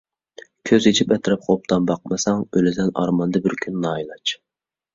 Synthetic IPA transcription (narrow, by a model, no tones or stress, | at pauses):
kʲʰøzet͡ʃʰipɛt̪ʰɾɨp̚χʰop̚t̪ʰɑmbɑq̚mɨsɑŋølɪd̪ɛnɑ̰ɾmɑnd̪ɨbɪɾkʲʰynnɑːjlˠɑt͡ʃ